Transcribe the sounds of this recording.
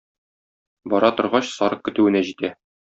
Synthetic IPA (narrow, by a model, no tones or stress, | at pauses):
bɒɾɑt̪ŏɾʁɑɕsɒɾɤq̚kɘ̆t̪ʉɘ̆næʑit̪æ